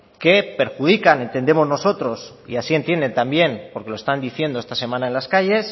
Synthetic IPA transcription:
ke̞pe̞ɾxuð̞ikane̞nt̪e̞nd̪e̞mo̞zno̞so̞t̪ɾo̞s | ḭasie̞nt̪je̞nd̪e̞nt̪ambje̞npoɾke̞loe̞st̪and̪iθje̞nd̪oe̞st̪ase̞mãnae̞nlaskaʝe̞s

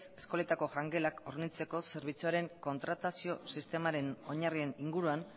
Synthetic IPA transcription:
se̞sko̞le̞t̪ako̞ʝaŋɡe̞lakoɾnit͡se̞ko̞se̞ɾβ̞it͡suaɾe̞ŋko̞nt̪ɾat̪asio̞sist̪e̞maɾe̞no̞ɲarie̞niŋɡuɾuan

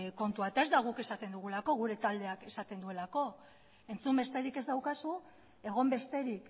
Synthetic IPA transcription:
ko̞nt̪uat̪ae̞zd̪aɣ̞uke̞sat̪e̞nd̪uɣ̞ulako̞ɣ̞uɾe̞t̪ald̪e̞ake̞sat̪e̞nd̪ue̞lako̞ | e̞nt͡sumbe̞st̪e̞ɾike̞zd̪awkasu | e̞ɣ̞o̞mbe̞st̪e̞ɾik

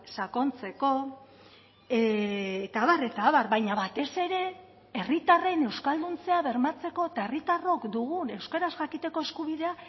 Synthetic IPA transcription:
sako̞nt͡se̞ko̞ | et̪aːβare̞t̪aːβarβajɲaβat̪e̞se̞ɾe̞ | e̞rit̪are̞ne̞wskald̪unt͡se̞aβe̞ɾmat͡se̞ko̞et̪aerit̪aro̞kd̪uɣ̞une̞wske̞ɾazʝakit̪e̞ko̞e̞skuβiðe̞a

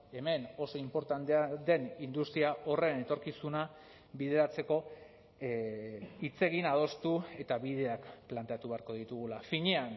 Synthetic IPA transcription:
e̞me̞no̞so̞impo̞ɾt̪ant̪ead̪e̞nind̪ust̪ɾiao̞re̞ne̞t̪o̞ɾkisuna | βiðe̞ɾat͡se̞ko̞ | it͡se̞ɣinað̞o̞st̪ue̞t̪aβið̞e̞akplant̪e̞at̪uβe̞aɾko̞ð̞it̪uɣ̞ulafiɲean

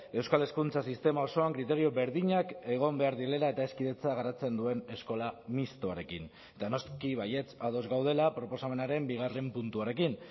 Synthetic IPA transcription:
e̞wskale̞skunt͡sasist̪e̞mao̞so̞aŋkɾit̪e̞ɾio̞βe̞ɾðiɲake̞ɣ̞o̞mbe̞aɾðielelae̞t̪ae̞skiðe̞t͡saɣaɾat͡se̞nd̪ue̞ne̞sko̞lamist̪oaɾe̞kḭn | et̪ano̞skiβaje̞t͡sað̞o̞zɣawð̞e̞lapɾo̞po̞same̞naɾe̞mbiɣ̞are̞mpunt̪uaɾe̞kin

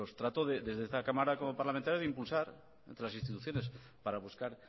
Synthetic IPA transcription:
ost̪ɾat̪oðeðe̞zðeest̪akamaɾakomopaɾlament̪aɾjaðimpulsaɾ | ent̪ɾelasinst̪it̪uθjo̞ne̞s | paɾaβ̞uskaɾ

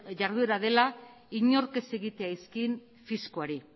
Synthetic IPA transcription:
ʝaɾðue̞ɾaðe̞la | iɲo̞ɾke̞se̞ɣit̪e̞aiskin | fiskoaɾi

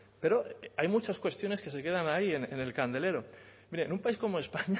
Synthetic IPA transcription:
pe̞ɾo̞ʔajmut͡ʃaskwe̞st̪jo̞neske̞se̞ke̞ð̞anaienḛne̞lkand̪e̞le̞ɾo̞miɾenũmpaisko̞moe̞spaɲa

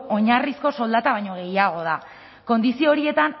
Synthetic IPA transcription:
o̞ɲarisko̞so̞ld̪at̪aβajɲoɣ̞e̞jaɣ̞o̞ð̞a̰ | ko̞nd̪isio̞ɾie̞t̪an

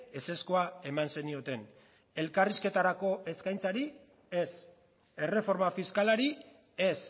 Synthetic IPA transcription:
ese̞sko̞ae̞manse̞nio̞t̪e̞n | e̞lkariske̞t̪aɾako̞ʔe̞skajnt͡saɾi | e̞s | e̞re̞fo̞ɾmafiskalaɾi | e̞s

